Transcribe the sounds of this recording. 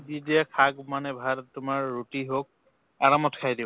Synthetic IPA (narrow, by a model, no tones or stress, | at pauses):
didiakʰaɡmanɛbʱadtʊmaɹːutiɦok̚ | aɹamɔtkʰajdi